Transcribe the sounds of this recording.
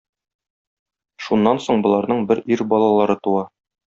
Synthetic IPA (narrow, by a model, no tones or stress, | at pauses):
ʃunːɑnsoɴbŏlˠɑɾnɤɴbɘɾiɾbɒlˠɑlˠɑɾɤt̪uɑ